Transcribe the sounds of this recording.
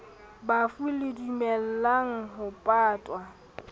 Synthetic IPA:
bafulɪdumɛl̩laŋ̩ɦʊpʼaːtʼwa

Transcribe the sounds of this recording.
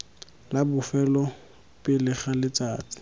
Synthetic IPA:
labʊfɛlɔ | pɪlɪχalɪt͡saːt͡sɪ̥

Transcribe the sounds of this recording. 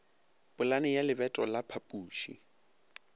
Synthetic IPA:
b̥ʊlanɪjalɪbɛtʼɔlapʰapʼuːʃḭ

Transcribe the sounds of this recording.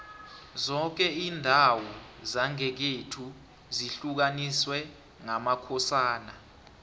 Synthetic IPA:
zɔk̬ɛiːndʱawɔzaŋɛk̬etʰu | ziɬuk̬aniswɛ | ŋamakʰɔsaːna

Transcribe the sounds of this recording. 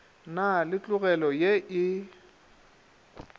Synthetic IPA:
nalɪt͡ɬʼʊɣɛlɔjeʔɪ

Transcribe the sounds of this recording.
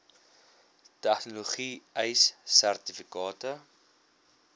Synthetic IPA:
tɛχnoloχiəjsːærtifikɑːtə

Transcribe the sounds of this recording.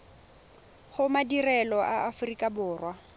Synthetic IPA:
χʊmadirɛlɔʔaːfʊrikʼabʊːrwa

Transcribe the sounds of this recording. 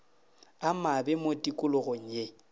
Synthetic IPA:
amabɪmotʼikʼʊlʊɣoŋ̩je

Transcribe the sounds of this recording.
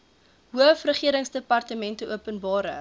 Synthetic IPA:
ɦuəfrəχiəɾəŋsdəpɐrtəmɛntəʔuəpənbɑːɾə̰

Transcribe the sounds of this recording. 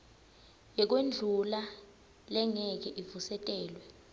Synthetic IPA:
jɛk̬wend͡ɮʱula | lɛŋɛk̬ɛʔivusɛtʼɛːlwɛ

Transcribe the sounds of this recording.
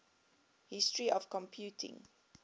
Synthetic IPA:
hɪstɹiʔɔv̥kɔ̃mpʰjutʰɪ̰̃ŋ

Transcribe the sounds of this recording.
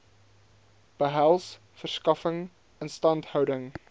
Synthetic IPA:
b̥əɦælˠs | fərskɐfəŋ | ənstɐntɦœwdəŋ

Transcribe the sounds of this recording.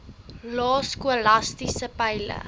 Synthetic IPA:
lɑːskuəlɐstisəpɛjlə̰

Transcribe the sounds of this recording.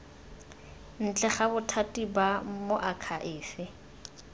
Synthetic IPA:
n̩t͡ɬʼɛχabʊtʰatibamoʔakʰaʔɪːfɪ

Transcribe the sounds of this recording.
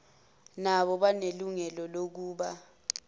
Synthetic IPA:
naɓɔɓaneluŋɛlɔlok̬uːɓa

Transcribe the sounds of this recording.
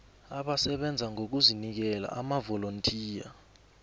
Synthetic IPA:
aɓasɛɓɛnd͡zʱaŋok̬uzinik̬ɛla̰ʔamavɔlontʼʰiːja̰

